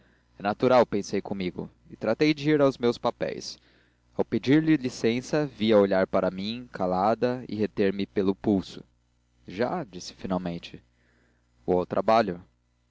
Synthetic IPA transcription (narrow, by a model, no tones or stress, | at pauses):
ɛnat̪uɾawpẽsejkʰõmiɡʊ̰ | ɪt̪ɾat̪ejd͡ʒɪiɾawzmewspapɛ̰js | awped͡ʒiɾlɪlisẽsɐviɐoʎaɾpaɾɐmĩkʰalad̪ɐɪ̰ɦet̪eɾmɪpelʊpuwsʊ̥̰ | ʒa̰d͡ʒisɪ̥finawmẽnt͡ʃɪ̥ | vowawt̪ɾʔa̰baʎʊ